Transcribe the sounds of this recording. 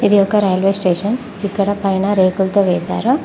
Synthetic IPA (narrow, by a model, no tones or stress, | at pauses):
id̪ijɔkːɐɾɐjɐlʋeːsʈeːʂɐn | ikːɐɽɐpɐjnɐɾeːkult̪oːʋɛːsa̰ːɾu